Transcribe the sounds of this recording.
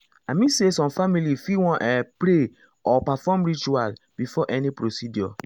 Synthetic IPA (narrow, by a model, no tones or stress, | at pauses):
amĩsesɔ̃mfamilifiwɔ̃ʔɛpɾe | ɔpafɔmɹit͡ʃualb̥ifɔʔɛnipɾosidjɔ̰